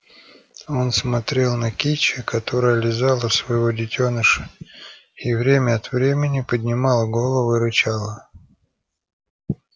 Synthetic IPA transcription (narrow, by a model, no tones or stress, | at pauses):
o̞nsmɐt̪ɾʲe̞lˠnəkʲit͡ɕɪkʰɐt̪o̞ɾəjəlʲɪzalˠəsvəjɪvo̞dʲɪtʲonəʂə̥ | ivɾʲemʲəɐt̪vɾʲemʲɪnʲɪpədʲnʲɪmɑlˠəɡo̞lˠəvʊɪɾɨt͡ɕalˠə